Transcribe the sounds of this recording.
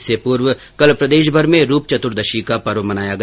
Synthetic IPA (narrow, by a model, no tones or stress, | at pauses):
sepuːɾʋ | kɐlpɾɐd̪eːʃ̬bʱɐɾmẽɾuːp̚t͡ʃɐt̪ʊɾd̪ɐʃikapɐɾʋmɐnaːjaɡɐ